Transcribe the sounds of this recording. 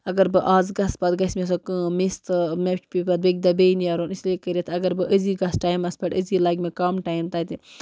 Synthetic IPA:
ɐɡɐɾbɨʔaːzɡɐspɐd̪ɡɐsʲmes̬okɨːmist̪ɨmet͡ʃpipɐd̪̚bɐɡ̚ʲd̪ɐbejniɐɾonislekəɾet̪ʰɐɡɐɾbɨʔəziːɡɐsʈaːjmɐspɐʈəzilaːɡʲmekɐmʈaːjmt̪ɐt̪i

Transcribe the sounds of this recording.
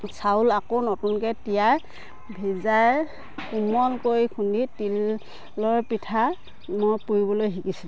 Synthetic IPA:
sawlakonɔtunkɛtijaj | bʱizaj | kumɔlkojkʰunditilː | ɔɹpitʰa | mɔjpuɹibɔlojɦikisil

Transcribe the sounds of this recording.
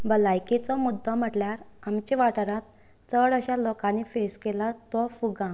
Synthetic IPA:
bəlajket͡sɔmud̪ʱːəm̤əʈljaɾamt͡ɕeʋaʈəɾãt̪̚ | t͡səɽəɕalɔkãnifeskelat̪ɔfuɡã

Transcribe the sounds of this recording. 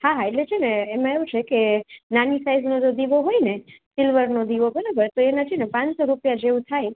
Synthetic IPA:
haɦaeʈlet͡ʃʰeneːmãeʋũt͡ʃʰekenanisaiznod͡ʒod̪iʋoɦojnesɪlʋəɾnod̪iʋobəɾabəɾt̪oenəd͡ʒʰinepãnt͡ʃsoɾupjad͡ʒeʋũt̪ʰaj

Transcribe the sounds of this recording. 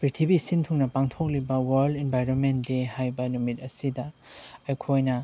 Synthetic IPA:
pɾitʰibisintʰuŋnɐpaŋtʰok̚libɐwɐɾlenbʱajɾonmentdehajbɐnumit̚ɐsidɐːjkʰojnɐ

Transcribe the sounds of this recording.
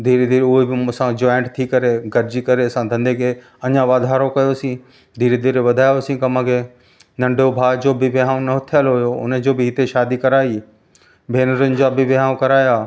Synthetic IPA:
d̪ʱiːɾed̪ʱiːɾʊɦebɪsãd͡ʑoːɪ̃ɳʈt̪ʰikɐɾeɡɐɾd͡ʑikɐɾeɐsãd̪ʱɐ̃nd̪ʱekʰe | ɐɲãʋaːd̪ʱaːɾokɐjosĩ | d̪ʱiːɾed̪ʱiːɾeʋɐd̪ʱaːjosĩkɐmãkʰe | nɐ̃ɳɖʱobʱaːd͡ʑoːbɪʋɪɦaːõnɐɦt̪ʰijəlɦojoʊ̰nəd͡ʑoːbɪɦɪt̪eʃaːd̪ikɐɾaːi | bʱeːnəɾʊnɪ̆d͡ʑaːbɪʋɪaːõkɐɾaːjaː

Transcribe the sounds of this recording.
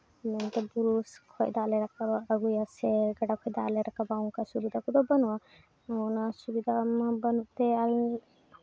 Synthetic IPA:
mɛnt̪ɛbuɾuskʰɔjd̪alɛɾakabəɡujasɛɡaɖakʰɔjd̪aʔlɛɾakabawŋkasubid̪ʱakud̪ɔbənua | nasubid̪ʱamabənuʔt̪ɛa

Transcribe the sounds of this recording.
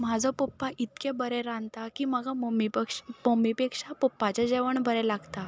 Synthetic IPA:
m̤ad͡zɔpopːaʔit̪kẽbəɾɛɾãnt̪akiːməɡamomipkʂmomipekʂapopːat͡ɕad͡ʑeʋəɳbəɾɛlaɡt̪a

